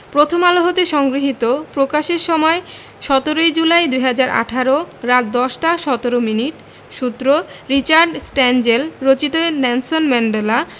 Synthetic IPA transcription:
pɾot̪ʰomaloɦot̪eʃɔŋɡɾiɦit̪opɾokaʃeɾʃɔmɔe | ʃɔt̪oɾojd͡ʑulajd̪ujɦad͡ʑaɾʔa̰ʈʰaɾoɾat̪̚d̪ɔʃʈaʃɔt̪oɾominiʈ | ʃut̪ːɾoɾit͡ɕaɾɖsʈɛnd͡ʑelɾot͡ɕit̪onɛnsonmɛɳɖela

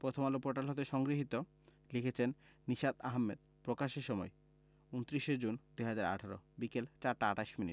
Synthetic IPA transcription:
pɾot̪ʰomalopoʈalɦot̪eʃɔŋɡɾiɦit̪o | likʰet͡ɕʰenː | iʃad̪aɦamːed̪̚ | pɾokaʃeʃɔmɔe | unt̪ɾiʃed͡ʑund̪uɦad͡ʑaɾa̰ʈʰaɾo̰bikelt͡ɕaɾʈaaʈaʃminḭʈ

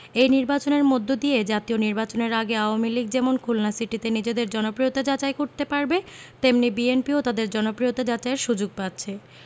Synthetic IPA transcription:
ejniɾbat͡ɕoneɾmod̪ʱːod̪ied͡ʑat̪ioniɾbat͡ɕoneɾaɡeaoamiliɡ̚d͡ʑemonkʰulnasiʈit̪enid͡ʑed̪eɾd͡ʑɔnopɾijot̪ad͡ʑat͡ɕajkoɾt̪epaɾbet̪emnibienpiot̪ad̪eɾd͡ʑɔnopɾijot̪ad͡ʑat͡ɕaeɾʃud͡ʑoɡ̚pat̪ːɕʰe

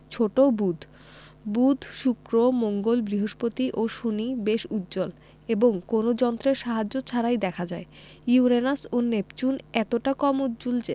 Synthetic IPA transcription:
t͡ɕʰoʈobud̪ʱ | bud̪ʱʃukɾomoŋɡolbɾiɦoʃpot̪iʔoʃonibeʃut̪ːd͡ʑol | eboŋkonod͡ʑɔnt̪ɾeɾʃaɦad͡ʑːot͡ɕʰaɾajd̪ɛkʰad͡ʑae | iuɾenasonept͡ɕunɛt̪oʈakɔmud̪d͡ʑuld͡ʑe

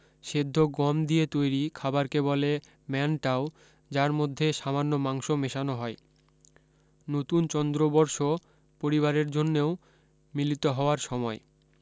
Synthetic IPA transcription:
ʃed̪ʱːoɡɔmd̪iet̪ojɾikʰabaɾkebɔle | mɛnʈao | d͡ʑaɾmod̪ʱːeʃamanːomaŋʃomeʃanoɦɔe | not̪unt͡ɕɔnd̪ɾobɔɾʃo | poɾiβaɾeɾd͡ʑonːeo | milit̪oɦɔoaɾʃɔmɔe

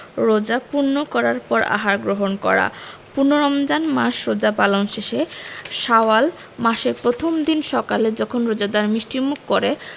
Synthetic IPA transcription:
ɾod͡ʑapuɾnːokɔɾaɾpɔɾa̰ɦaɾɡɾoɦonkɔ̰ɾa̰punoɾɔmd͡ʑanmaʃɾod͡ʑapalonʃeʃeʃawal | maʃeɾpɾot̪ʰomd̪inʃɔkaled͡ʑɔkʰonɾod͡ʑad̪aɾmɾiʃʈimukːoɾe

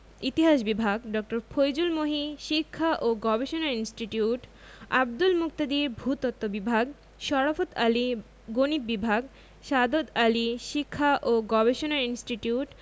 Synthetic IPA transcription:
it̪iɦaʃbibʱaɡɖɔk̚ʈoɾfʰojd͡ʑulmoɦiʃikʰːaʔoɡɔbeʃonainsʈiʈiuʈ | a̰b̚d̪ulmuk̚t̪ad̪iɾbʱut̪ɔt̪ːobibʱaɡ | ʃɔɽafot̪ali | ɡonip̚bibʱaɡ | ʃad̪od̪aliʃikʰːaʔoɡɔbeʃonainsʈiʈiuʈ

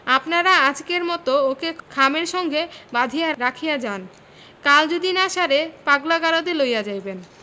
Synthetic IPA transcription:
apnaɾaad͡ʑkeɾmɔt̪ookekʰameɾʃɔŋɡʱebad̪ʱijaɾakʰijad͡ʑan | kald͡ʑod̪inaʃaɾepaɡlaɡaɾod̪elojad͡ʑajben

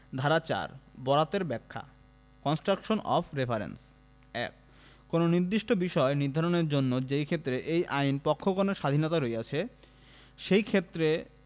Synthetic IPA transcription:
d̪ʱaɾat͡ɕa̰ɾbɔɾat̪eɾbɛkʰːa̰ | kɔnsʈɾakʃonʔɔ̰fʰɾefʰaɾḛns | ɛ̰k̚ː | ononiɾd̪iʃʈobiʃɔeniɾd̪ʱaɾoneɾd͡ʑonːod͡ʑejkʰet̪ːɾeʔejʔajnpɔkʰːokoneʃad̪ʱinɔt̪aɾoeat͡ɕʰe | ʃejkʰet̪ːɾe

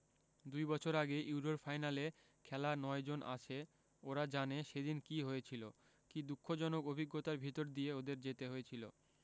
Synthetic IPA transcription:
d̪ujbɔt͡ɕʰoɾaɡeʔuɾoɾfʰajnale | kʰɛlanɔed͡ʑonʔa̰t͡ɕʰe | oɾad͡ʑaneʃed̪inkiɦojet͡ɕʰilo | kid̪ukʰːod͡ʑɔnokobʱiɡːot̪aɾbʱit̪oɾd̪ieod̪eɾd͡ʑet̪eɦojet͡ɕʰilo̰

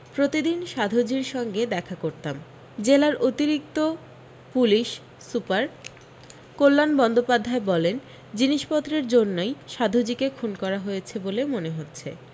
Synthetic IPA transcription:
pɾot̪id̪inʃad̪ʱod͡ʑiɾʃɔŋɡed̪ɛkʰakoɾt̪am | d͡ʑelaɾʔot̪iɾik̚t̪o | puliʃ | supaɾ | kolːanbɔnd̪opad̪ʱːaebɔlen | d͡ʑiniʃpɔt̪ːɾeɾd͡ʑonːojʃad̪ʱud͡ʑikekʰunkɔɾaɦojet͡ɕʰebolemoneɦotːɕʰḛ

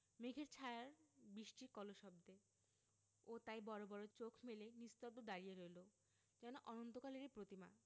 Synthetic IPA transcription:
meɡʱeɾt͡ɕʰaeaɾbɾiʃʈiɾkɔloʃɔb̚d̪e | ot̪ajbɔɾobɔɾot͡ɕokʰmelenist̪ɔd̪od̪aɾijeɾojlo | d͡ʑɛnoʔɔnont̪okaleɾipɾot̪ima̰

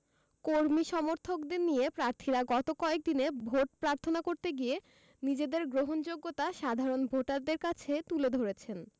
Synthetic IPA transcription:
koɾmiʃɔmoɾt̪ʰokd̪eɾnijepɾaɾt̪ʰiɾaɡɔt̪okɔek̚d̪inebʱoʈ̚pɾaɾt̪ʰonakoɾt̪eɡije | nid͡ʑed̪eɾɡɾoɦond͡ʑoɡːot̪aʃad̪ʱaɾonbʱoʈaɾd̪eɾkat͡ɕʰet̪uled̪ʱoɾet͡ɕʰen

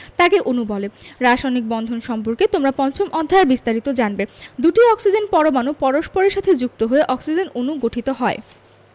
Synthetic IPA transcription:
t̪akeʔonubɔleɾaʃajnik̚bɔnd̪ʱonʃɔmpoɾket̪omɾapɔnt͡ɕʰomʔɔd̪ʱːaeɾbist̪aɾit̪od͡ʑanbed̪uʈiɔksid͡ʑenpɔɾomanupɔɾoʃpoɾeɾʃat̪ʰed͡ʑuk̚t̪oɦoeʔɔksid͡ʑenonuɡoʈʰit̪oɦɔe

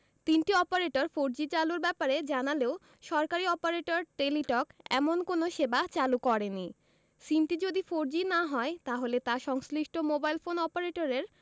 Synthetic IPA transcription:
t̪inʈiɔpaɾeʈoɾfoɾd͡ʑit͡ɕaluɾbɛpaɾed͡ʑanaleo | ʃɔɾkaɾiɔpaɾeʈoɾʈeliʈɔkɛ̰monkonoʃebat͡ɕalukɔɾeni | sinʈid͡ʑod̪ifoɾd͡ʑinaɦɔet̪aɦolet̪aʃɔŋsliʃʈomobajlfonɔpaɾeʈoɾeɾ

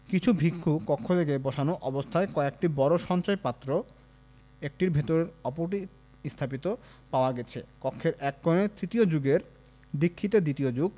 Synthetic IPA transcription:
kit͡ɕʰubʱikʰːukɔkʰːod̪eɡebɔʃanoʔɔbost̪ʰaekɔek̚ʈibɔɾoʃɔnt͡ɕajepat̪ːɾo | ek̚ʈiɾbʱet̪oɾeɾɔpoɾʈi | ist̪ʰap̬it̪o | paoaɡɛt͡ɕʰḛkɔkʰːeɾʔɛkːɔnet̪ɾit̪iod͡ʑuɡeɾ | d̪ikʰːit̪ed̪it̪iod͡ʑuɡ̚

